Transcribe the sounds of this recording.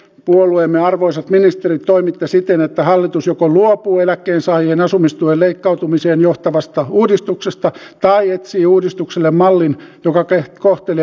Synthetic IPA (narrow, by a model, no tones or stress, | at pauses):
puoluemːeɑrʋoisɑt̪minist̪erit̪t̪oimit̪ːesit̪enet̪ːæhɑlːit̪usjokoluopuːelækːeːnsɑːihenɑsumːist̪uelleikːɑut̪umiseːnjoht̪ɑʋɑst̪ɑuːdist̪uksest̪ɑt̪ɑiet̪siːuːdist̪ukselːemmɑlːinjokɑkekoht̪eli